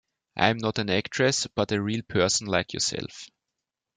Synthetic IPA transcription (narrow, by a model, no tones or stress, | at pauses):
ʔã̰ɪ̃mnɔtæ̃næktʰɹ̥ɛsb̥ʌtɨɹiːlˠpʰɜ˞sn̩laɪkʰjɔ̰sɛ̰lf